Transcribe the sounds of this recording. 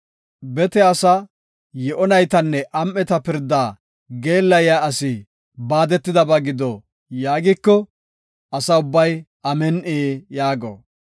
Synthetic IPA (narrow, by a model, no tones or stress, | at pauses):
bɛt̪ɛɐsɐ | jɛʔɔnɐjt̪ɐnːɛʔɐmːɛt̪ɐpɪɾd̪ːaː | ɡe̞ːlːɐjaːɐsɪ | baːd̪ɛt̪ːɪd̪ɐbɐɡɪd̪ɔ | jaːɡɪkːɔ | ɐsɐʊbːɐj | ɐmɛnʔeːjaːɡo̰